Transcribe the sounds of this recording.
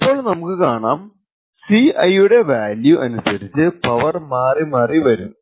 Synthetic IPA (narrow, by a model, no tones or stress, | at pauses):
ipːo̞ːɭnɐmukːɨkaːɳaːm | siɐjuɽe̞ʋaːljuʔɐnusɐɾit͡ɕːɨpɐʋɐrmaːrimɐːriʋɐɾunːu